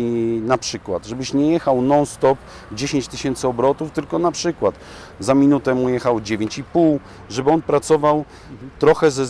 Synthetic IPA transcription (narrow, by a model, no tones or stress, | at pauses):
napʂɘkwad̪ʐɛbɘɕɲɛjɛxawnɔnst̪ɔp | d͡ʑeɕeɲt͡ɕt̪ɘɕɛnt̪sɘɔbɾɔt̪uft̪ɘlkɔnapʂɘkwat̪ | zamʲinut̪ɛmujɛxawd͡ʑevʲeɲt͡ɕipuw | ʐɛbɘɔnpɾat̪sɔvaw | t̪ɾɔxɛzɛ